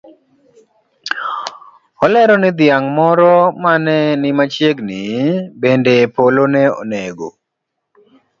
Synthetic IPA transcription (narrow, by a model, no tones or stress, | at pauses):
ɔlɛɾɔnɪd̪jaŋmɔɾɔmanɛnɪmat͡ʃjeɡnɪbendepolonɛɔ̰neɡo̰